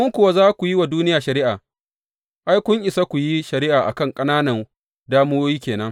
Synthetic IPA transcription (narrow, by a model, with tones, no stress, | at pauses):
ʔʊ˦ŋkʷʊ˨wa˦zaː˦kʷu˨ji˦wa˨duː˦nɪ˦jaː˨ʃɐ˨ɾɪ˦ʔaː˨ | ʔa˦jkʷʊ˦ŋʔɪ˨sa˦kʷu˨ji˦ʃɐ˨ɾɪ˦ʔaː˨ʔa̰˨kɐ˦˨ŋkʼɐ˦naː˦nɐ˨ | daː˦mʊ˦woː˦jiː˦kʲeː˨nɐ˦ŋ